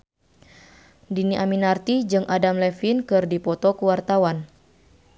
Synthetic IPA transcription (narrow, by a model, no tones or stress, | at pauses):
diniʔaminart̪id͡ʒɨŋʔadamlɛfinkɨrdipɔt̪ɔkuwart̪awan